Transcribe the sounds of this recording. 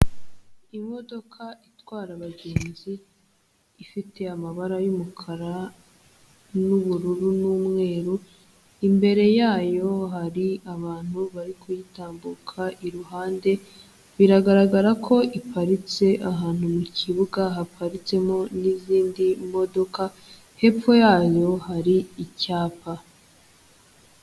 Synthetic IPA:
imo̞do̞kʰaitwaːɾaβaɡe̞ːnziː | fite̞amaβaɾajumukʰaɾa | nuβuɾuɾunuːmŋe̞ːɾu | imbe̞ɾe̞jaːjo̞ɦaɾiaβaːn̥huβaɾikʰojitaːmbukʰaʔiɾuɦaːnde̞ | βiɾaɡaɾaɡaɾakʰo̞ʔipʰaɾit͡se̞ʔaɦaːn̥humuciβuɡaɦapʰaɾit͡se̞mo̞niziːndimo̞do̞ka | he̞p͡fo̞jaːjo̞haɾiicaːpa

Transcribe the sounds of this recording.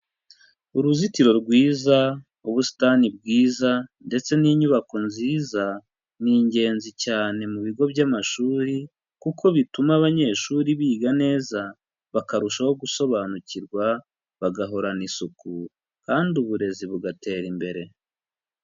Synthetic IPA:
uɾuzitiɾo̞ɾɡwiːza | uβusi̥tanib̚ɡiːzande̞t͡se̞niːɲuβako̞nziːza | niːɲɟe̞ːnzicaːne̞muβiɡo̞βjamaʃuːɾi | kukʰo̞βitumaβaɲe̞ʃuːɾiβiːɡane̞ːza | βakaɾuʃaho̞ɡuso̞βanuciɾɡwa | βaɡaɦo̞ɾanisuku | kaːnduβuɾe̞ziβuɡate̞ːɾimbe̞ɾe̞

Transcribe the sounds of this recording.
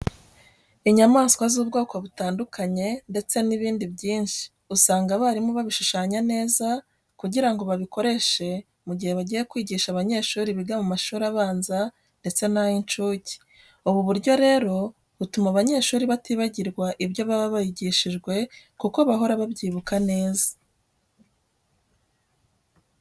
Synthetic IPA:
iɲamaːskwazuːbɡo̞ːko̞βutaːndukʰaɲe̞nde̞t͡se̞niβiːndibjiːnʃi̥ | usaːŋɡaβaːɾimoβaβiʃuʃaːɲane̞ːza | kuɟiɾaŋɡo̞βaβiko̞ɾe̞ʃe̞ | muɟihe̞βaɟije̞kwiːɟiːʃaβaɲe̞ːʃuːɾiβiɡamumaʃuːɾiaβaːnza | nde̞t͡se̞najint͡ʃuːci̥ | uβuβuɾɟo̞ɾe̞ːɾo̞ | βutumaβaɲe̞ːʃuːɾiβatiβaɟiɾɡwaʔiβjo̞βaβaβajiɟiʃiʒɡwe̞ | kuko̞βaɦo̞ɾaβabɟiːβukane̞ːza

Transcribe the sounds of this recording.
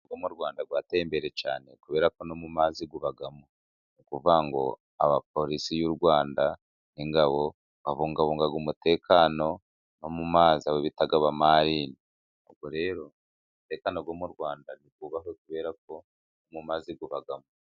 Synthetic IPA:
ɡwomuɾɡwaːndaɡwaːtembe̞ɾe̞ca̰ːne̞̰kuβe̞ːɾako̞nomumaːziɡuβaɡamu | nukuvaŋɡo̞̰ | a̰βap̚o̞ɾisijuɾɡwaːnda | niŋɡaβo̞ | βaβuːŋɡaβuːŋɡaɡumute̞ːkʰaːno̞ | no̞mumaːziaβoβitaɡaβamaɾiːni | o̰βɡwoɾe̞ːɾo̞ | mute̞ːkanoɡoːmuɾɡwaːndaniɡ̚uβaɦokuβe̞ːɾak̚o̞ | nomumaːziɡuβaɡamu

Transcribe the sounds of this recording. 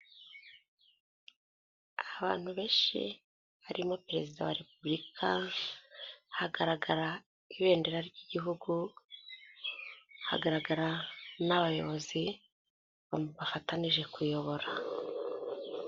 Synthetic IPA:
aβa̰ːn̥huβe̞ːʃḭ | βaɾimo̞peɾe̞zidawa̰ɾe̞publikʰa | haɡaɾaɡaɾa | iβe̞ːnde̞ɾaɾjɟiɟiɦuɡu | ha̰ɡaɾaɡaɾanaβajo̞βo̞zi | βamuβafataniʒe̞kujo̞βo̞ɾa

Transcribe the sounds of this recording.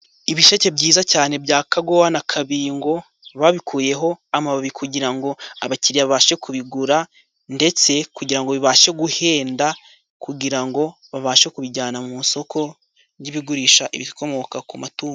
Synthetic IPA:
iβiʃace̞bɟiːzacaːne̞bɟaːkaɡowanakʰaβiːŋɡo̞ | βaβikʰuːje̞ɦo̞amaβaβikuɟiɾaŋɡo̞aβaciɾijaβaβaʃe̞kuβiɡuɾa | nde̞t͡se̞kuɟiɾaŋɡoβiβaʃe̞ɡuhe̞ːnda | kuɟiɾaŋɡo̞ | βaβaʃekuβiɟaːnamunso̞kʰo̞ | iβiɡuɾiʃaʔḭβikʰo̞mo̞kakumatuːo

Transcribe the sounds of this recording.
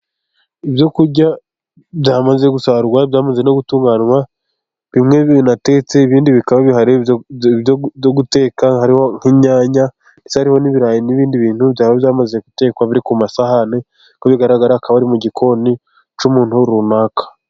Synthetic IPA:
ibjo̞kuɾɟa | bjaːmaze̞ɡusaɾuɡwabjaːmazeno̞ɡutuːŋɡaːnwa | βimŋe̞nate̞t͡se̞iβiːndiβikaβaβiɦaɾeβjooɡute̞ːkahaɾiho̞ŋ̥hiɲaːɲa | neshaɾiho̞niβiɾaːjiniβiːndiβiːnhuβjaːβaβjaːmazeɡute̞ːkwaβiɾikumasahane | koβiɡaɾaɡaɾakaβaɾimuɟikʰo̞ni | t͡ʃumuːnhuɾunaːkḁ

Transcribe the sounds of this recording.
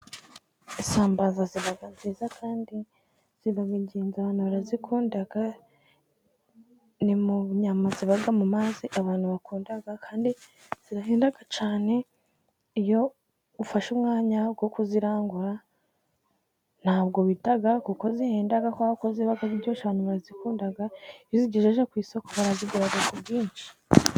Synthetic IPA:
isaːmbazaziβaɡazizakʰaːndi | z̥iβaβiɟiːnzaβaːnhuβaɾazikʰuːndaɡa | nimuɲamaziβaɡamumaːziʔaβaːn̥huβakuːndaɡakʰaːndi | z̥iɾaɦeːndaɡat͡ʃaːne̞ | ijo̞ | ufaʃumŋaːɲabɡo̞kuziɾaːŋɡuɾa | n̥haːbɡo̞βitaɡakuko̞ziheːndaɡakoaokoziβaɡaziɾɟoːʃaβaːnuβaɾazikuːndaɡajoziɟeʒeʒekwiːso̞koβaɾaziɡuɾaɡakubjiːnʃi̥

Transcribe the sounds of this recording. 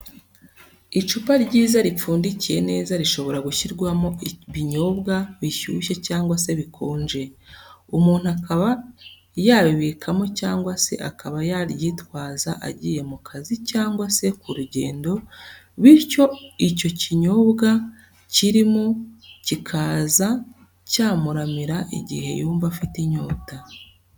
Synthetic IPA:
it͡ʃupaɾɟiːzaɾip͡fuːndicije̞ne̞ːzaɾiʃo̞βo̞ɾaɡuçiɾɡwamo̞βiɲo̞βɡaβiçṵːʃecaːŋɡwase̞βikʰoːnʒe̞umuːn̥uakaβa | jaβiβiːkʰamocaːŋɡwase̞̰ʔakʰaβajaɾjiːtwaːza̰ʔa̰ɟiːje̞mukʰazicaːŋɡwase̞kuɾuɟe̞̰ːndo̞βiɾco̞ico̞ciɲo̞βɡa | ciɾimocikʰaːza | caːmuɾamiɾaʔḭɟḭhe̞̰juːɱvafitiɲo̞ːta

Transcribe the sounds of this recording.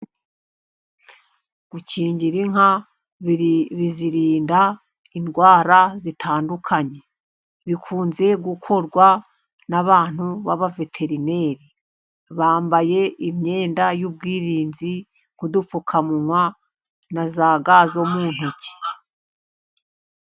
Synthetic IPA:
ɡ̥uciːɲɟiɾiŋa | βiziɾiːnda | inɡwaːɾazitʰaːndukʰaɲe̞ | βikʰuːnze̞ɡukʰo̞ɾɡwa | naβaːn̥huβaβave̞tʰe̞ɾine̞ːɾi | βaːmbaje̞imɲe̞ːndajuːb̚ɡiːɾiːnzi | ŋ̥kudufukʰamuŋwa | nazaːɡazomuːn̥huci̥

